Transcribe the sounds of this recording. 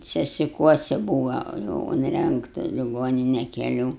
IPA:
sʲɛsʲɪˈkuɔsʲɪ ˈbuːʋɐ jɛʊ ʊnʲˈrʲɛŋktɐ lʲɪˈɡoːnʲɪnʲɛ kʲɛˈlʲuː

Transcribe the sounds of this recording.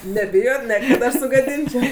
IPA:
nʲɛˈbʲɪjoːt ˈnʲɛ kɐt ˈɐʃ sʊɡɐˈdʲɪnʲt͡ʃʲɛʊ

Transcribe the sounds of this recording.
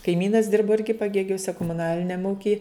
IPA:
kɐɪˈmʲiːnɐs ˈdʲɪrboː ˈɪrʲɡʲɪ pɐˈɡʲeːɡʲʊsʲɛ koːmʊˈnɑːlʲɪnʲɛm ˈuːkʲɪj

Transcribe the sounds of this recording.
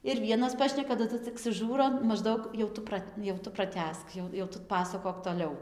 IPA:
ɪr ˈʋʲiɛnɐs ˈpɑːʃʲnʲɛkɐ tɐˈdʊ t͡sʲɪk sʊˈʒuːroː mɐʒˈdɐʊk jɛʊ ˈtʊ prɐtʲ jɛʊ ˈtʊ prɐˈtʲæːsk ˈjɛʊ jɛʊ ˈtʊ ˈpɑːsɐkoːk toːˈlʲɛʊ

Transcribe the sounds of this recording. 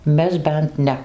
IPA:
ˈmʲɛs ˈbʲɛnt ˈnʲɛ

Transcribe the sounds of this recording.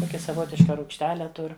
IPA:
ˈtoːkʲɛ sɐˈʋoːtʲɪʃkɐ ruːkʃʲˈtʲæːlʲɛ ˈtʊr

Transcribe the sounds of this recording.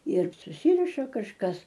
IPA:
ɪr sʊˈsʲiːrʲɪʃɐ kɐʃˈkɐs

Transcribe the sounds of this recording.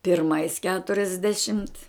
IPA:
pʲɪrˈmɐɪs kʲɛtʊrʲɛzʲˈdʲæːʃʲɪmt

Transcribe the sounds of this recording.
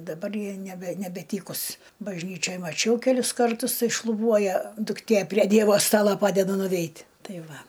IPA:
dɐˈbɐr ˈjɪ nʲɛˈbʲɛ nʲɛbʲɛˈtʲiːkʊs bɐʒʲˈnʲiːt͡ʃʲoːj mɐˈt͡ʃʲɛʊ kʲɛˈlʲʊs kɐrˈtʊs ˈtɐɪ ʃlˠʊˈbuɔjɛ dʊkˈtʲeː pʲrʲiɛ ˈdʲiɛʋoː ˈstɑːlˠoː ˈpɑːdʲɛdɐ nʊˈʋʲɛɪtʲ ˈtɐɪ ˈʋɐ

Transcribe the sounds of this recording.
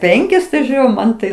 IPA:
ˈpʲɛŋʲkʲɪs tɐɪ ˈʒʲuːrʲʊ ˈmɐn tɐɪ

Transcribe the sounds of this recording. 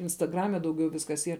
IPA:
ɪnstɐˈɡrɑːmʲɛ dɐʊˈɡʲɛʊ ˈʋʲɪskɐs ˈiːr

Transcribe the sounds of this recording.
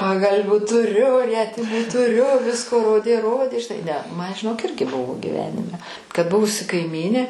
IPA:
pɐɡɐlʲˈʋʲuː tʊˈrʲʊ ˈrʲiɛtʲɪmuː tʊˈrʲʊ ˈʋʲɪskoː ˈroːdʲeː ˈroːdʲeː ʒʲɪˈnɐɪ nʲɛ ˈmɐn ʒʲɪˈnoːk ˈɪrʲɡʲɪ ˈbʊʋoː ɡʲɪˈʋʲæːnʲɪmʲɛ kɐt ˈbʊʋʊsʲɪ kɐɪˈmʲiːnʲeː

